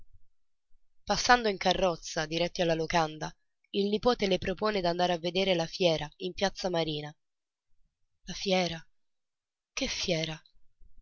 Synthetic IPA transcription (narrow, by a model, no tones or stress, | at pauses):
pasːand̪oiŋkarːɔt̪sːad̪iɾɛt̪ːialːalokand̪a | ilnipoːt̪elepɾopoːned̪and̪aːɾeavːed̪eːɾelafjɛːɾaimpjat̪sːamaɾiːna | lafjɛːɾa | kefːjɛːɾa